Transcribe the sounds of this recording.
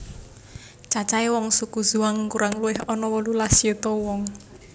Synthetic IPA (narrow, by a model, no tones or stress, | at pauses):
t͡ʃat͡ʃaewɔŋsukuz̥uaŋkuɾaŋluwɪɦɔnɔwɔlulasiut̪ɔwɔŋ